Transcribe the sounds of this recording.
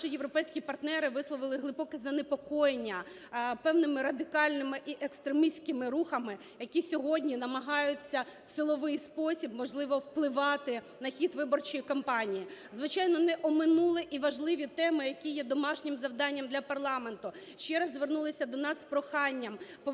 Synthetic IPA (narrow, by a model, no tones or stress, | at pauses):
ʃɪjeʋɾɔpɛjsʲkʲipɐrt̪nɛɾɪʋɪslˠɔʋɪlˠɪɦlˠɪbɔkɪzɐnepɔkɔjenʲːɐ | pɛwnɪmɪɾɐd̪ɪkɑlʲnɪmɪʔiʔekst̪ɾemisʲkɪmɪɾuxɐmɪ | jɐkʲisʲɔɦɔdʲnʲinɐmɐɦɑjʊt͡sʲːɐwsɪlˠɔʋɪjspɔsʲib̚mɔʒlˠɪʋɔwplˠɪʋɑt̪ɪ | nɐxʲit̪ʋɪbɔrt͡ʃijikɔmpɑnʲijizʋɪt͡ʃɑjnɔnɛʔɔmɪnulˠɪʔiʋɐʒlˠɪʋʲit̪ɛmɪjɐkʲijɛd̪ɔmɑʃnʲɪmzɐwd̪ɑnʲːɐmd̪lʲɐpɐrlˠɑme̞nt̪ʊ | ʃt͡ʃɛɾɐzːʋernulˠɪsʲɐd̪ɔnɑsːpɾɔxɑnʲːɐmpɔ